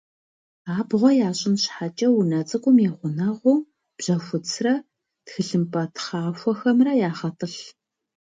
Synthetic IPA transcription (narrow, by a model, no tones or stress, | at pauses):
aːbʁʷɔjaːɕʼɪnɕħat͡ʃʼɐwunɐt͡sʼɨkʷʼʊmjɛːʁʷʊnɐʁʷʊː | b̥ʑ̥ɐxʷʊt͡sʰrɐ | txɨɮɨmpʼɐtʰχɑːfʷɔxɐmrɐjaːχɐtʼɨɬ